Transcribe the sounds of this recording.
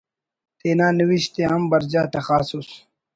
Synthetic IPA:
t̪eːnaːniwiɕt̪eɦɐmbɐɾd͡ʑaːt̪ɐxaːsus

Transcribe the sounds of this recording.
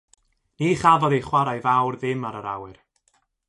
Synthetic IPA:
niːχavɔðejχwaɾajvawrðɪmaɾəɾa̰wɨr

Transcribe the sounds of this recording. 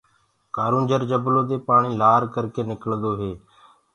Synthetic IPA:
kaːɾũːnd͡ʒəɾd͡ʒəbloːd̪eːpaːɳiːlaːɾkəɾkeːnɪkəld̪oːɦeː

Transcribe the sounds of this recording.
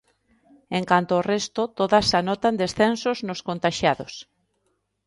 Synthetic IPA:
eŋkant̪oːrɛst̪ʊt̪oðasanɔt̪and̪esθensoznʊskont̪aʃjaðos

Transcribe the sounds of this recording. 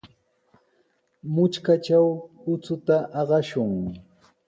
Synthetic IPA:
mʊt͡ʃkat͡ʃawʊt͡sʊt̪aʔɑɢɑʃʊŋ

